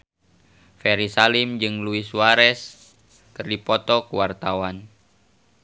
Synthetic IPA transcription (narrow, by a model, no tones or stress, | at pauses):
fɛɾisalimd͡ʒɨŋluisuwaɾɛs | kɨrdipɔt̪ɔkuwart̪awan